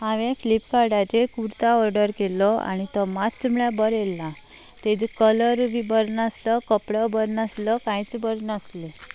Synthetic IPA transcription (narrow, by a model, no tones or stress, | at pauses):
aʋẽfʰlipːaɽad͡ʒekuɾt̪aɔɾɖəɾkelɔa̰nit̪ɔmat̪t͡ʃəmɭjabəɾelã | t̪ed͡ʒkələɾʋibəɾnaslɔkəpɽɔbəɾnaslɔkãjt͡sbəɾnasle